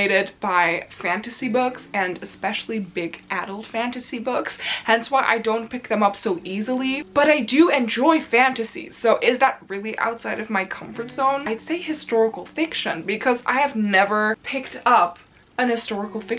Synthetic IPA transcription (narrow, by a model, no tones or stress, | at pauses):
ɪɾɪd̚b̥aɪfæ̃ntɨsibʊksɨ̃nɨspɛʃl̩ˠibɪɡʔæɾl̩ˠd̥fæ̃ntɨsibʊkshɛ̃nswaɪʔa̰ɪdõʊ̃npʰɪk̚ðɨ̃mʌpsoʊʔizl̩ˠib̥ʌɾaɪdɨɨ̃nd͡ʒɔɪfæ̃ntɨsḭz̥soʊʔɪzðət̚ɹɪlˠiʔa̰ʊtsaɪɾʌvmaɪkʰʌ̃ɱfə˞tz̥õʊ̃naɪd̥seɪhɨstɔɹəkl̩ˠfɪkʃɨ̰̃nbɨkʰʌza̰ɪɨvnɛvə˞pʰɪk̚tʌp | ɨ̃nɨstɔɹəkl̩ˠfɪk